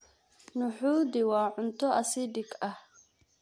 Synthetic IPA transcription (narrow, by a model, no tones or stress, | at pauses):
nʊħuːd̪ɪwaːʕʊnt̪ɔʔɐsid̪ɪkɐh